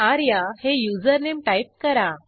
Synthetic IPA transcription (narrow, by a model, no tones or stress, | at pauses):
aɾjahejud͡zəɾnemʈaip̚kəɾa